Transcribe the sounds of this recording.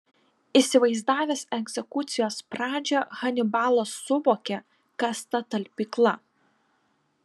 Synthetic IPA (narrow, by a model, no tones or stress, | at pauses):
isʲɪʋɐɪzd̪ɑːʋʲɛsɛɡʲzʲɛkʊt̪sʲɪjoːspɾɑːd͡ʒʲɛɣɐnʲɪbɑːlˠɐsːʊʋoːkʲɛ | kɐst̪ɐt̪ɐlʲpʲiːklˠɐ